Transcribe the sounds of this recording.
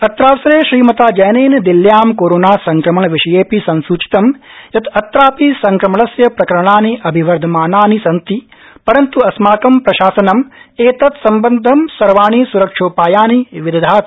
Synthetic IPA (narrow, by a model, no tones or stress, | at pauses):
ɐt̪ɾaːsɾeːʃɾiːmɐt̪aːd͡ʒɐjneːnɐd̪iljaːmkoːɾoːnaːsɐŋkɾɐmɐɳɐʋiʂɐjeːpisɐnsuːt͡ʃi̥t̪ɐmjɐt̪ɐt̪ɾaːpisɐŋkɾɐmɐlɐsjɐpɾɐkɐɾɐɳaːniʔɐbʱiʋɐɾd̪ʱɐmaːnaːnisɐnt̪i | pɐɾɐnt̪uɐsmaːkɐmpɾɐʃaːsɐnɐmeːt̪ɐt̪sɐmbɐnd̪ʱɐmsɐɾʋaːnisuɾɐkʂoːpaːjaːniʋid̪ɐd̪ʱaːt̪